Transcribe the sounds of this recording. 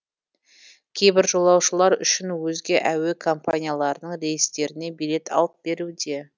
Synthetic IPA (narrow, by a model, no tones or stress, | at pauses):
kʲʰejbɪɾʒo̞lˠɑwʃəlˠɑɾʏ̰ʃɪnwɵzɡʲe̞ʔæwekʰo̞mpʰanʲijalˠɑɾənəɴɾe̞jɪst̪e̞ɾɪne̞bijlʲe̞t̪ʰɑ̰lˠəp̚b̥e̞ɾud̪e̞